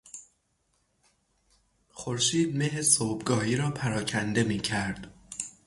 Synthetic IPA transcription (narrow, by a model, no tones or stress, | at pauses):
xoɾʃiːd̪̚meɦesoːbɡɒːhiːɾɒːpʰæɾɒːcʰænd̪e̞miːcʰæɾd̪̥